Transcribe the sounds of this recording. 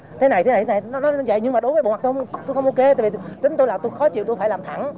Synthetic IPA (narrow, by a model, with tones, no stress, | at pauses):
t̪ʰe˨˦na˨˩j̪ʰe˨˦na˨˩j̪tʰe˦na˨˩n˨˦nɔ˨˦zə̰˧˨jɲɨ˧ŋmaː˨˩ɗʊ˨˦vəː˨˦ɓ̰ma˨˩˧t̪xə˧wŋ͡mʔo˧ke˨˦t̪aː˧˨˩vi˨˧t͡ɕï˨˦ŋ̟t̪o˧jlaː˨˩t̪o˧jxɔ˨˦t͡ɕḭ˧˨wt̪faː˧˩laː˨˩mt̪ʰa˧˩ŋ